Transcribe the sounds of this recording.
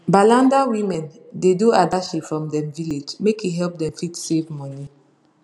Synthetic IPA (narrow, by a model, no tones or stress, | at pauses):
balãndawimɛ̃ndeduadaʃipfɹɔ̃mdɛ̃mviled͡ʒmekiɦɛlp̚dɛ̃mfitsevmɔni